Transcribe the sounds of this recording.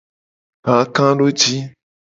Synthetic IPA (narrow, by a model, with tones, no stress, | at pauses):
ɦã˨kã˦ɖo˦d͡ʒi˦